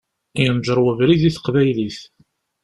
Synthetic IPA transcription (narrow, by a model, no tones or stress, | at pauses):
jənʒəɾˤwəvɾiðiθə̥qvæjliθ